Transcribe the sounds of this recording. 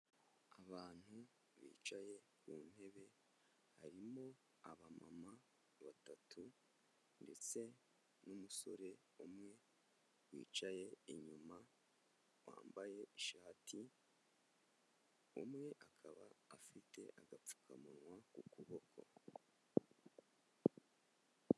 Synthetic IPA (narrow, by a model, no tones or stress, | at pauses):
aβaːn̥hu | βḭːt͡ʃaje̞ | kuːn̥he̞βe̞ | haɾimo̞ | aβama̰ma | βatatʰu | nde̞t͡se̞ | numuso̞̰ɾe̞ | umŋe̞ | wḭːt͡ʃaje̞iɲuma | wa̰ːmbaje̞iʃaːtʰi | ṵmŋe̞ʔakʰaβaːfite̞̰ʔaɡap͡fu̥kʰa̰munwakukuβo̞kʰo̞̰